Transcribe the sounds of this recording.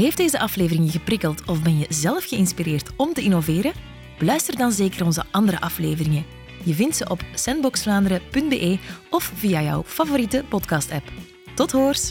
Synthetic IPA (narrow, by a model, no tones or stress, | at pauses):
ɦeːfdeːzəʔɑfleːvərɪŋəɣəprɪkəlˠtɔvbɛnjəzɛləfxəɪnspireːrtɔmtəɪnoveːɾə | b̥əlœɥstərdɑnzeːkəɾɔnzə̰ʔɑnd̪əɾə̰ʔɑflḛːvərɪŋə | jəvɪntsəʔɔpsɛnbɔksflaːndəɾəpɵnd̚bḛːʔeːɔfv̥iːjajœ̰wfavoɾitəpɔtkɑːstɛp | tɔtɦoːrs